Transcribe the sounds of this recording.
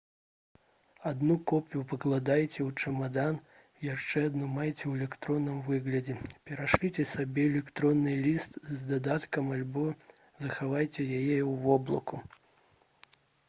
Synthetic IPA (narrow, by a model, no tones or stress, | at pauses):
ad̪nukɔpʲjupɐklˠad̪ajt͡sʲɛwt͡ʂɐmad̪an | jaʂt͡ʂɛad̪numajt͡sʲɛwɛlʲɛkt̪ɾɔnːɨmvɨɣlʲɐd͡zʲɛpʲɛɾaʂlʲit͡sʲɛsabʲɛɛlʲɛkt̪ɾɔnːɨlʲist̪zd̪ad̪at̪kɐmalʲbɔ | zɐxavajt͡sʲɛjajɛwvɔblˠɐ̰ku